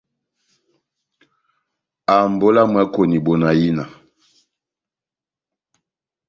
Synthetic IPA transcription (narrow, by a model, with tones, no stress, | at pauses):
a˨mbo˦la˦mwɛ˦ko˨ni˨bo˨na˨ji˦na˨